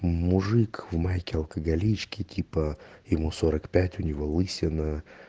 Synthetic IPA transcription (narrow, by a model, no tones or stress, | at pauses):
mʊʐɨkvmajkʲɪɐlˠkəɡɐlʲit͡ɕkʲɪtʲʰipəjɪmusoɾəkpʲætʲʊnʲɪvolˠɨsʲɪnə